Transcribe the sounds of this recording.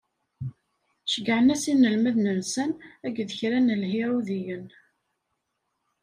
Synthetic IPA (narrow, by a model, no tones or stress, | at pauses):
ʃəɡʕənæsinːəlmæðnənsənæɡðəçɾænəlhiɾuðijən